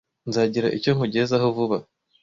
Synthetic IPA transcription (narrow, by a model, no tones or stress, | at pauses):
nzaːɟiɾa̰ʔico̞ŋuɟezaɦovuβa